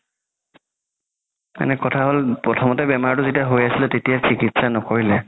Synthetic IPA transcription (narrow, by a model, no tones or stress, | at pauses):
ma̰nɛkɔtʰaɦolpɹɔtʰɔmɔtɛbɛmaɹtʊzetijaɦojasilɛtetijasʰikitsanɔkoɹilɛ